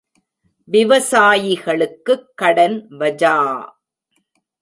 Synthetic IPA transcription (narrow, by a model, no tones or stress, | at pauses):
ʋɪʋɐsaːjɪɣɐɭɯkːɯkːɐɽɐnʋɐd͡ʒaː